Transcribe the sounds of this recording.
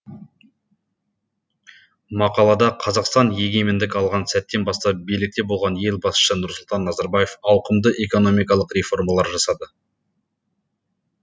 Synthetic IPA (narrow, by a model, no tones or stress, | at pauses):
mɑqɑlˠɑd̪ɑqʰɑzɑqst̪ɑnje̞ɡʲe̞mɪnd̪ɪkʲɑlˠʁɑnsæt̪ːe̞nbɑst̪ɑp̚bijlɪk̚t̪e̞bo̞lˠʁɑnje̞lbɑsʃənʊɾsʊlˠt̪ɑnːɑzɑɾbaje̞fɑwqəmd̪əʔe̞ko̞no̞mijkɑlˠəqɾe̞fo̞rmɑlˠɑɾʒɑsɑd̪ə